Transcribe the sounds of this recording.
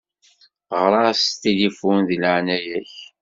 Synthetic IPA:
ʁɾˤɑst̪ːilifunðləʕnæjæç

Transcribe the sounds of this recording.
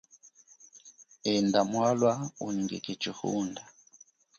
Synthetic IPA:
ɛndamwalwauɲŋɡḭkʼit͡ʃihṵːnda

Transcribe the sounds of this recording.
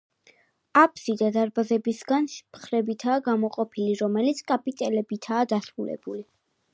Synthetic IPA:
apʰʼsid̪ad̪aɾbazɛbisɡanspʰχɾɛbit̪ʰaːɡamɔqʼɔpʰiliɾɔmɛlit̪sʰkʼapʼit̪ʼɛlɛbit̪ʰaːd̪asɾulɛ̰b̥uli

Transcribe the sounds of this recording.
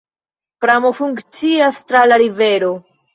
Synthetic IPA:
pɾamo̞fuŋkt͡siastɾalaɾive̞ɾo̞

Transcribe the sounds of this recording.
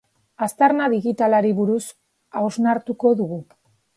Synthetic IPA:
ast̪aɾnaðiɣit̪alaɾiβuɾus | aoznaɾt̪uko̞ðuɣu

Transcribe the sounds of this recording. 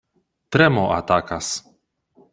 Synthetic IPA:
t̪ɾɛmoʔa̰t̪akas

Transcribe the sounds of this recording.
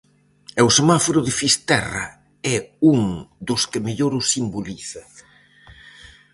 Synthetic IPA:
ewsemafoɾʊðɪfist̪ɛrɐ̰ | ɛuŋd̪ʊskɪmeʎoɾʊsimboliθɐ

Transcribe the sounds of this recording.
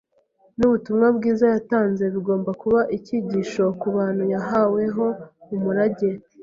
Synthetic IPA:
nuβutumŋabɡiːzajataːnze̞βiɡo̞ːmbakuβaʔiciɟiːʃo̞kuβaːn̥hujaɦawe̞ɦo̞umuɾaɟe̞

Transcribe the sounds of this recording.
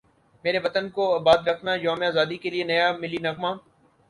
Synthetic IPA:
meːɾeʋɐt̪ənkoɐːbaːd̪ɾɐkʰnajaːmeaːzaːd̪ikelienɐjamɪlinɐkmaː

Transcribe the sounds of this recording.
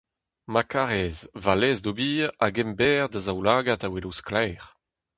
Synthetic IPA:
makaʁɛzvalɛːzdobiːʁaɡɛmbɛːʁd̪azawlaːɡatawelusklɛːʁ

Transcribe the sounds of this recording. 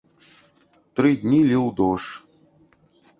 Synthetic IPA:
t̪ɾɨd̪ʲnʲilʲiwd̪ɔʂ

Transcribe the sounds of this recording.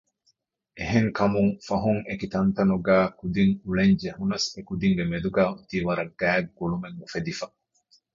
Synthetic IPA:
ʔeɦeŋkɐmuŋfɐɦuŋekit̪ɐnt̪ɐnuɡæːkud̪iŋuɭeɲd͡ʒehunɐsekud̪iŋɡemed̪uɡæːut̪iːʋɐɾɐɡ̥æːɡːuɭumeŋːufed̪ifɐ

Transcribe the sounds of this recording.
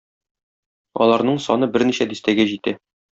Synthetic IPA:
ɒ̰lˠɑɾnɤɴsɒnɤbɘɾniɕæd̪ist̪æɡæʑit̪æ

